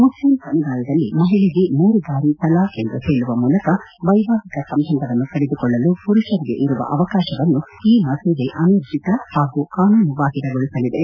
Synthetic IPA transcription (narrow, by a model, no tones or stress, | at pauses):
muslimsɐmiɡ̪aːlɐd̪ɐlːimɐɦiɭeɡemuːɾuɡ̪aːɾisɐlaːend̪uheːɭuʋɐmuːlɐkɐ | ʋɐjbaːɦikɐsɐmbʱɐnd̪ʱɐʋɐnːuk̪ɐɭed̪ukɔɭːɐlupuɾuʃɐɾiɡḛʔiɾuʋɐ̰ʔɐʋɐkaːʃɐʋɐnːu | iːmɐsuɡeʔɐnɐɾd̪it̪ɐhaːɡukaːnuːnubaːɦilɐɡoɭisɐlid̪e